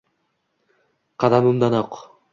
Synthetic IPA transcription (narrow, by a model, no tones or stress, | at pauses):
qɑd̪ɑmɯmd̪ɑnɑq